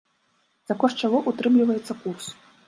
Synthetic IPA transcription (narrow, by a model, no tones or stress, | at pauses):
z̥akɔʂt͡ʂaɣɔʔut̪ɾɨmlʲivɐjɛt̪sːɐkurs